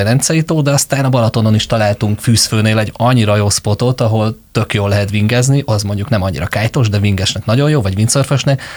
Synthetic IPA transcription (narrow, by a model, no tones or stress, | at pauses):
ɛnɛnt̪sɛjit̪oːd̪ɛɒst̪aːnɒbɒlɒt̪o̞no̞niʃt̪ɒlaːlt̪uŋkfyːsføːneːlɛɟɒɲːiɾɒjoːspo̞t̪ot̪ɒɦo̞lt̪ø̞kjoːlːɛɦɛt̪ʋiŋɡɛzniʔɒzmo̞ɲɟuknɛmɒɲːḭɾɒkaːjt̪oʒd̪ɛviŋɡɛʃnɛknɒɟo̞jjoːvɒɟʋint̪sørføʃnɛk